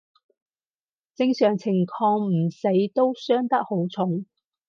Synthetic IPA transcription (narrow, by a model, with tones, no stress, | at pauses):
t͡sɪ˧ŋsœː˨˩ŋt͡sʰɪ˨˩ŋkʰɔː˧ŋm̩˨˩se˨˥jt̪o˥wsœː˥ŋt̪ɐ˥k̚ho˨˥wt͡sʰʊ˨˧˥ŋ